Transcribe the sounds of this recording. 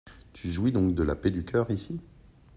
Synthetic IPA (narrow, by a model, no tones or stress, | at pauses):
t̪ʰyʒuid̪ɔ̃kd̪əla̰ped̪ykʲœːʁisi